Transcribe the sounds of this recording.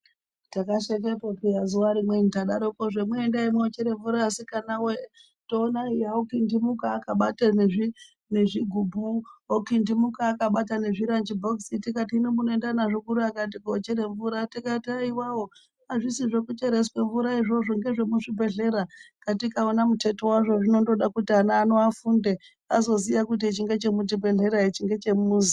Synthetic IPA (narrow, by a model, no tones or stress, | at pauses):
takaʃek̬epopijazuwaɾimwe̞nitaɗaɾokoʐemweːndaimweot͡ʃeɾeɱvuɾaːsikanawe | to̞ːnaijaokindimukaːkaɓataneʐi | neʐiɡʱubʱuokindimukaːkaɓatane̞ʐiɾand͡ʒibʱoksitikatiːnomunoendanaʐokuɾuakat̬ikoːt͡ʃeɾeɱvuɾatikataiwawo̞ | aʐisiʐo̞kut͡ʃe̞ɾe̞swe̞ɱvuɾaiʐo̞ʐo̞ŋɡe̞ʐe̞muʐibʱe̞ɮe̞ɾakatikaonamute̞towaʐoʐino̞ndo̞ɗakutianaːno̞afunde | azo̞zijakut̬it͡ʃiŋɡe̞t͡ʃe̞mut̬ibʱe̞ɮe̞ɾait͡ʃiŋɡe̞t͡ʃe̞muːzi